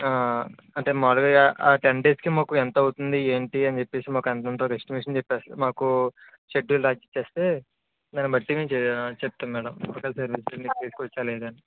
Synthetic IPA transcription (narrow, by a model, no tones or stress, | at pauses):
aː | ɐɳʈe̞ːmaːlɐɡɐaʈeɳɖeːskimaːkuɛnt̪ɐɐwut̪und̪ieːɳʈiɐnit͡ʃepːe̞ːsimaːkɐnt̪ɐnt̪oːkeksʈimjuːʂɐnt͡ʃepːeːsmaːku | t͡ʃeʈːulɾaːd͡ʒit͡ʃːe̞ːst̪e̞ː | d̪ɐnibɐʈːimit͡ʃep̚t̪aːmɛːɽɐmloːkɐlsɐɾʋiːslomiːkut̪eːsikʋɐt͡ʃːaːleːd̪uɐni